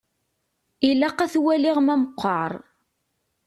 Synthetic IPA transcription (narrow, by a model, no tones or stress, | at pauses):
ilːæqæθwæliʁmæməqʷːɑɾˤ